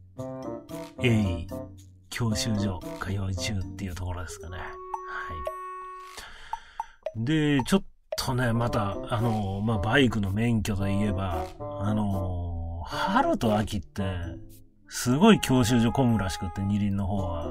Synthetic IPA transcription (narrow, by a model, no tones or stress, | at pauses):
ei | kʲʰo̞ːɕɨːʑo̞kʰajo̞ːit͡ɕɨːt̪ːe̞iɯ̟ːt̪o̞ko̞ɾo̞d̪e̞sɨ̥kane̞hai | d̪e̞t͡ɕo̞t̪ʰːo̞ne̞mat̪aːno̞mabaikɯ̟no̞mẽ̞ŋkʲo̞t̪o̞ie̞baːno̞ | haɾɯ̟t̪o̞akʲit̪ːe̞ | sɨɡo̞ikʲʰo̞ːɕ̬ɨːʑo̞kõ̞ŋɡɯ̟ɾaɕi̥kɯ̟t̪ːe̞ɲ̟iɾʲĩnːo̞ɦo̞ːβa